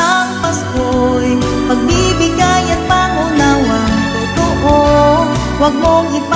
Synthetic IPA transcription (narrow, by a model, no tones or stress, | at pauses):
aŋpɐskoj | mɐɡ̚bibɪɡajɐt̪̚paːŋʊnawɐŋt̪ʊt̪ʊʔo | wɐɡ̚moŋʔɪp